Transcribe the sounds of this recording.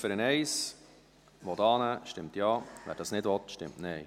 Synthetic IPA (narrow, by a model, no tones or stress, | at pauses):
fəɾənɛɪs | ʋɔtɑːnəʃtɪmt̪jɑːʋæ̰ːɾd̥ɑːsnɪdʋɔt̪ʃtɪ̰mtnɛɪ